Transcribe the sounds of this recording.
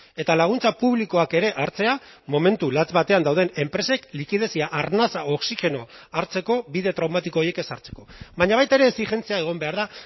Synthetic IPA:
e̞t̪alaɣ̞unt͡sapuβliko̞ake̞ɾe̞ʔaɾt͡se̞a | mo̞me̞nt̪ulat͡sβat̪e̞and̪awð̞e̞ne̞mpɾe̞se̞klikiðe̞siaʔaɾnasao̞ksixe̞no̞aɾt͡se̞ko̞βiðe̞t̪ɾawmat̪iko̞ːjeke̞saɾt͡se̞̥ko̞βaɲaβajt̪aeɾe̞ːsixe̞nt͡siae̞ɣ̞o̞mbe̞aɾða

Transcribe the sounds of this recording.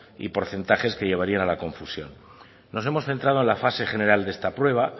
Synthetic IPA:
ḭpo̞ɾθe̞nt̪aχe̞ske̞ʎe̞β̞aɾianalako̞ɱfusjo̞̰nː | o̞se̞mo̞sθe̞nt̪ɾaðoenlafase̞χe̞ne̞ɾald̪e̞st̪apɾwe̞β̞a

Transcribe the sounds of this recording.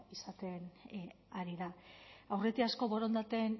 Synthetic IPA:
isat̪e̞n | aɾiðaawre̞t̪iasko̞βo̞ɾo̞nd̪at̪e̞n

